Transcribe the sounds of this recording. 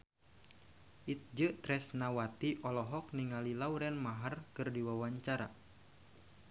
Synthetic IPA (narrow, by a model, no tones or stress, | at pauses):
ʔit̪̚d͡ʒət̪ɾɛsnawat̪iʔɔlɔɦɔk̚niŋalilauɾɛnmaɦarkɨrdiwawaɲt͡ʃaɾa̰